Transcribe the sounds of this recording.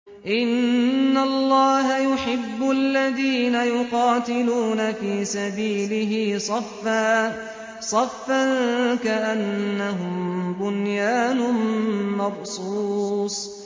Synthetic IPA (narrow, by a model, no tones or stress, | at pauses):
ʔɪnːalˤːɑːɦajʊħɪbːʊʔalːaðiːnajʊqɑːt̪ɪluːnafiːsabiːlɪɦiːsˤɑfːaː | sˤɑfːaŋkaʔanːaɦʊmbʊnjaːnʊmɑbsˤuːsˤ